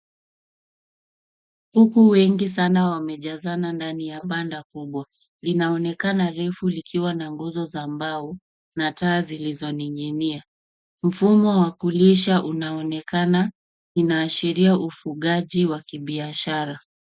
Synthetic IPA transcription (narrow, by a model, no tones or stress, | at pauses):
hukuwɛŋɡis̬anawamɛʄazanandanijaɓandakuɓwa | linaɔnɛkanaɾɛfulikiwanaŋɡuzɔzambau | nataːzilizɔniŋɡinia | m̩fumɔwakuliʃaʔunaɔnɛkana | inaːʃiɾiaʔufuɠaʄiwakiɓiaʃaɾa